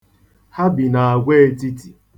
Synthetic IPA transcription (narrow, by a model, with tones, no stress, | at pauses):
ha˦bi˨na˨a˨ɡʷe˦e˦ti˦ti˨